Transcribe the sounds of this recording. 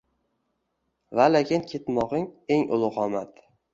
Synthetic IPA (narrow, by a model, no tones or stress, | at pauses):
valekʲɪnkʲʰe̞t̪mɒʁɪŋe̞ŋʊ̰lˠʊqɒmat̪